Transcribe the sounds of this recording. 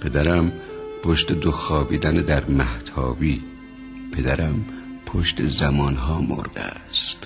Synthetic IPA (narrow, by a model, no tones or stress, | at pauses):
pʰe̞d̪æɾæmpʰoʃt̪ed̪oxɒːbiːd̪æned̪æɾmæht̪ʰɒ̰ːbiː | pʰe̞d̪æɾæmpʰoʃt̪ʰezæmɒːnɦɒːmo̰ɾd̪̥ḛæst̪